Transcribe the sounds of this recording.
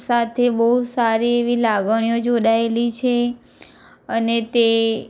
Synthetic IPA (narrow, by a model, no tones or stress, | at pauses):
sat̪ʰebəɦud̪saɾieʋilaɡəɳ̃ijõd͡ʒoɽaelit͡ʃʰe | ənet̪e